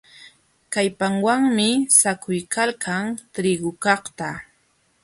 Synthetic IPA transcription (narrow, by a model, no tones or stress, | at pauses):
kajpaŋwaŋmɪsakʰʊjkalkʰaŋt̪ɾɪɡʊkɑχt̪a